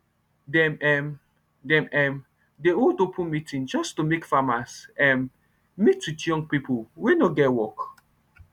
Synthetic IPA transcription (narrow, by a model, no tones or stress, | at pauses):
dɛmɛm | dɛ̃mɛm | deoldopʰũnmitʰĩnd͡ʒɔstumekfamasɛ̃m | mitwitjɔ̃ŋɡ̚pipʰowenoɡɛtwɔk